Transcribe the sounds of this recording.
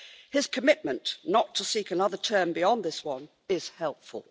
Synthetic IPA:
ɪz̥kʰəmɪʔ̚mə̃nʔnətʰəsikənʌðə˞tʰɜ̃˞mbiɑ̃nðɪswʌ̃n | ɪz̥hɛlˠpfə̰lˠ

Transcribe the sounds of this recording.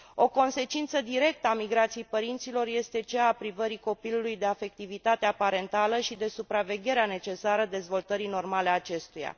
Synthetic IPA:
o̞ko̞nse̞t͡ʃint̪səd̪iɾe̞k̚t̪əamiɡɾat̪sijejpəɾint̪silo̞rje̞st̪e̞t͡ʃeːpɾivəɾiko̞pilulujd̪e̞afe̞k̚t̪ivit̪at̪eapaɾe̞nt̪aləʃid̪e̞supɾave̞ɡʲe̞ɾeane̞t͡ʃe̞saɾəd̪e̞zvo̞lt̪əɾino̞rmale̞at͡ʃe̞st̪uja̰

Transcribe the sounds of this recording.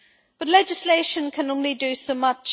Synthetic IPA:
b̥ʌtˡlɛd͡ʒɪsleɪʃə̃nkʰə̃nõʊnlidəsoʊmʌt͡ʃ

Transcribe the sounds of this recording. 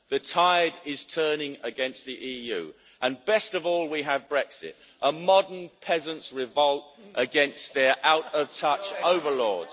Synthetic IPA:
ðɨtʰaɪəɾɪz̥tʰɜ˞nɪ̃ŋəɡɛ̃nst̪̚ðiʔijʉ̰ː | ʔə̃nbɛstʌvɔːlˠwiəvbɹɛksɪ̰t | ʔəmɑdənpʰɛzə̃nsɹɪvʌlˠtʔəɡɛ̃nsðə˞ʔaʊɾʌv̥tʰʌt͡ʃoʊvə˞lɔːz̥

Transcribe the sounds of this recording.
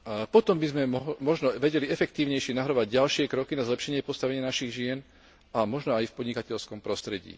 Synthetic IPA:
pɔt̪ɔmbizmɛmɔɦmɔʒnɔʋɛɟɛliɛfɛk̚t̪iːʊɲɛjʃɪɛnaɦɾɔʋaɟɟalʃɪɛkɾɔkinazlɛpʃɛɲɪɛpɔst̪aʋɛɲɪanaʃiɣʒɪɛn | amɔʒnɔajfpɔd̪ɲikacɛʎskɔmpɾɔst̪ɾɛɟḭː

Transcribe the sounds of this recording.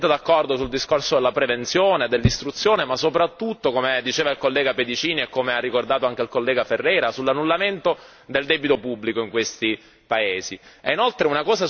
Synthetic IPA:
t̪ːed̪akːɔrd̪osuld̪iskorsod̪elːapɾevent̪sjoːned̪elːist̪ɾut̪sːjoːnemasːopɾat̪ːut̪ːokomed̪it͡ʃeːvailkolːɛːɡaped̪it͡ʃiːniekːomearːikord̪aːt̪oaŋk̟eilkolːɛːɡaferːɛːɾasulːanːulːament̪o | d̪eld̪ɛːbit̪opubːlikoiŋkwest̪i | paeːziɛinolt̪ɾeunakɔːza

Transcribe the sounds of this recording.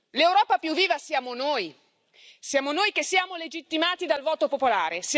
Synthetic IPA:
lewɾɔːpapjuvːiːvasjaːmonoːj | sjaːmonoːjkesːjaːmoled͡ʒit̪ːimaːt̪id̪alvɔːt̪opopolaːɾes

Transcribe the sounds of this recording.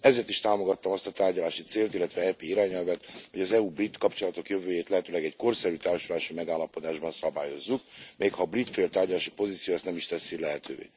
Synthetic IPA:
ɛzeːrt̪iʃt̪aːmo̞ɡɒt̪ːɒmɒst̪ɒt̪aːrɟɒlaːʃit̪seːlt̪ilːɛt̪ʋɛɛpeːiɾaːɲɛlvɛt̪hoɟɒzɛubrit̪kɒpt͡ʃo̞lɒt̪o̞kjø̞vøːjeːt̪lɛɦɛt̪øːlɛɡɛcko̞rsɛɾyt̪aːrʃulaːʃimɛɡaːlːɒpod̪aːʒbɒnsɒbaːjo̞zːuk̚mʔeːkhɒːbrit̪felt̪ːaːrɟɒlaːʃipo̞ziːt̪sijoːɛst̪nɛmiʃt̪ɛsːilɛɦɛt̪ʰø̰ːvḛː

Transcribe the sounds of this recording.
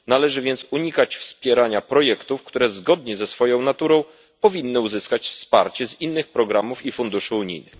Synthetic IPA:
nalɛʐɘvʲjɛnt̪suɲikat͡ɕfspʲjɛɾaɲapɾɔjɛkt̪ufkt̪uɾɛzɡɔd̪ɲɛzɛsfɔjɔ̃w̃nat̪uɾɔ̃w̃ | pɔvʲinːɘuzɘskat͡ɕfspa̰ɾt͡ɕɛzinːɘxpɾɔɡɾamufifund̪uʂɘuɲḭjnɘx

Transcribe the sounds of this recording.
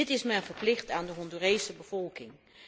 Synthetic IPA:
ɪtɪsmɛjvəɹplɪχtaːndəɦɔndurejsəbəv̥ɔlˠkɪŋ

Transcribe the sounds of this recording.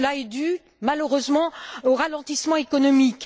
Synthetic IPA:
əlaɛd̪y | maløʁøzmɑ̃oʁalɑ̃t̪ismɑ̃ekɔnɔmik

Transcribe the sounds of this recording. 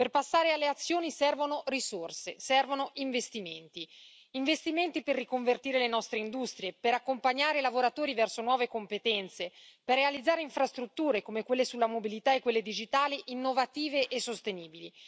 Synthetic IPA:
perpasːaːɾealːeat̪sːjoːnisɛrvonorisorsesɛrvonoʔiɱvest̪iment̪i | iɱvest̪iment̪iperːikoɱvert̪iːɾelenɔst̪ɾeind̪ust̪ɾjepeɾakːompaɲːaːɾelavoɾat̪oːɾivɛrsonwɔːvekompet̪ɛnt̪seperːealid̪zːaːɾeiɱfɾast̪ɾut̪ːuːɾekomekwelːesulːamobilit̪aekːwelːed̪id͡ʒit̪aːliʔinːovat̪iːveʔesːost̪eniːbili

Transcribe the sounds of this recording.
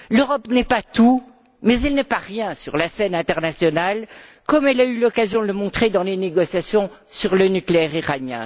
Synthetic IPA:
løʁɔpnɛpat̪u | mɛzɛlnɛpaʁjɛ̃sy̰ʁlasɛnɛ̃t̪ɛʁnasjɔnal | kɔmɛlaylɔkazjɔ̃d̪ələmɔ̃t̪χed̪ɑ̃leneɡɔsjasjɔ̃ | syʁlənykleɛʁiʁanjɛ̰̃

